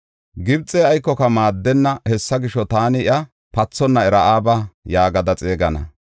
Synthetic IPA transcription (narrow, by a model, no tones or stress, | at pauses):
ɡɪbt͡sʼeːɐjkːɔkɐmaːd̪ːɛnːɐhɛsːɐɡɪʃɔt̪aːnɪɪʔɐ | pɐt͡sːɔnːɐɛɾɐʔaːbɐjaːɡɐd̪ɐt͡sʼe̞ːɡɐnɐ̰